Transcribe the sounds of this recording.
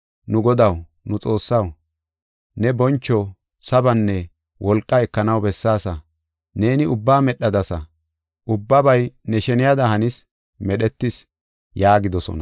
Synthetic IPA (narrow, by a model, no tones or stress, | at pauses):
nʊɡɔd̪ɐw | nʊt͡sʼo̞ːsːɐw | nɛbɔnt͡ʃːɔ | sɐbɐnːɛ | wʔɔlkʼːɐɛkːɐnɐwbɛsːaːsɐ | ne̞ːnɪʊbːaːmɛɗɐd̪ɐsɐ | ʔʊbːɐbɐjnɛʃɛnɪjad̪ɐhɐnɪs | mɛɗɛt̪ːɪs | jaːɡɪd̪ɔsɔ̰nɐ̰